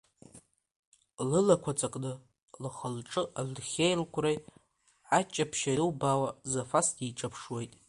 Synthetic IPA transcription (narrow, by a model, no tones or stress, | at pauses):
lɨlakʷʰat͡sʼakʼnɨ | lχəlʈ͡ʂʼɨʔalχʲejlkʷʰrej | at͡ʃʼapʰʃaɨwbawazafasdiʈ͡ʂʼapʰʂwe̞jtʼ